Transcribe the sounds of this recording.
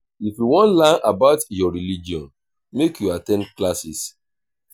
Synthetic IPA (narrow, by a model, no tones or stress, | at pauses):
ifjuwɔ̃nlãnʔabaʊtjɔɹilid͡ʒiɔ̃n | mekjuatɛ̃nklasis